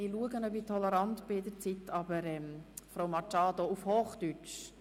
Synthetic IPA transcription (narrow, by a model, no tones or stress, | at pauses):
ɪluəɡənœpitʰɔləɾɑntb̥ɪɪd̪əɾt͡sit̪ʰɑbəɾɛmfɾowmɑt͡ʃɑːd̪oufhoːχd̪yt͡ʃ